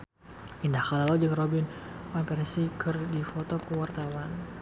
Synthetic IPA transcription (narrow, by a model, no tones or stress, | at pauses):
indahkalalɔd͡ʒəŋrɔbinɔnpɛɾɛnsikɨrdifɔt̪ɔkəwart̪awan